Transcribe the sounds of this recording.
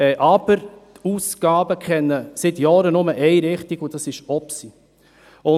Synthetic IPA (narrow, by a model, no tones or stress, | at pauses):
ɛʔɑb̥əɾt̪ʰuːsɡ̥ɑːbəkʰχɛnːəsɪt̪jɑːɾənʊməʔɛɪɾɪχt̪iɡud̥ɑsɪʃɔpsi | ʊ